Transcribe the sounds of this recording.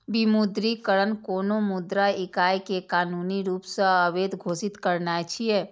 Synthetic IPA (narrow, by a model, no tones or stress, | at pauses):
bimud̪ɾikəɾənkoːnomʊd̪ɾaɪkaːjkekaːnuːniɾuːpsə̃əʋeːd̪ɡʱoːsɪt̪kəɾnat͡ʃʰieː